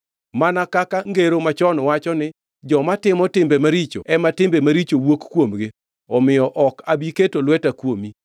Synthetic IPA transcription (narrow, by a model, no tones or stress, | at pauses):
manakakaŋɡeɾomat͡ʃɔnwat͡ʃɔnɪ | d͡ʒɔmatɪmɔtɪmbemaɾit͡ʃoɛmatɪmbemaɾit͡ʃowokkwomɡɪ | ɔmɪjɔʔɔkabiketolwɛtakwomi